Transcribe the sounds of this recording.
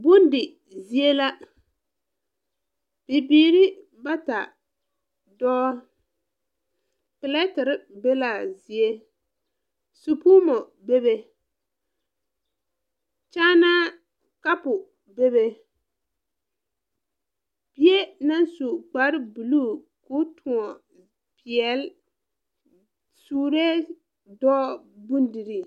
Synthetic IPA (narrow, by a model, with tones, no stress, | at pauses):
bʊ˦ndɪ˨ | zi˦e˦la˦ | b̥ɪ˨biː˨ɾɪ˦ | ba˦ta˨ | dɔ˦ | pɪ˨lɛ˦tɪ˨ɾɪ˦be˦la˨zi˨e˦ | su˨puː˦mɔ˨ | be˦be˦ | t͡ʃaː˦na˦ | ka˦pʊ˨ | be˦βe˦ | pi˦e˦na˦nsu˨k͡pa˨˦ɾɪ˦bu˨luː˦ | ku˦tʰʊ˨ŋɔ˨ | pi˨ɛ˨l | suː˦ɾɛ˦ | dɔː˦ | bu˦ndi˨ɾi˦